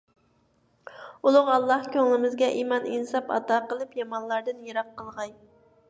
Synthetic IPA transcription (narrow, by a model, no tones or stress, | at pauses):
ulˠʊʁɑlˠːɑhkʲøŋlɪmɪzɡʲɛʔimɑninsɑpɑ̰t̪ɑːqəlˠɨpjɑmɑnlˠɑɾd̪ɨnjɛɾɑqːəlˠʁɑj